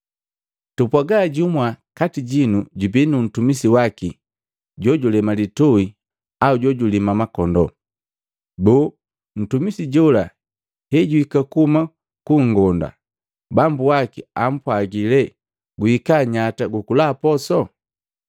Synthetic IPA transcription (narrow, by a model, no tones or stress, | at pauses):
tupwaɡaɟumwakatiɟinuɟubinun̩tumisiwaki | ɟɔɟulɛmalitɔi | auɟɔɟulimamakɔndɔ̰ | bɔː | n̩tumisiɟɔla | hɛɟuikakuuma | kuŋɡɔnda̰ | bambuwakiam̩pwaɡilɛ | ɡuikaɲataɡukulaːpɔsɔ